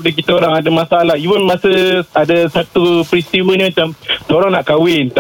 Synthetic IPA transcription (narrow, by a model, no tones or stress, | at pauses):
dək̬it̪aoɾaŋadamasaalaɦivənmasəadasat̪upɾist̪iwəɲimə̃t͡ʃamsoɾaŋnaʔkawɪnt̪a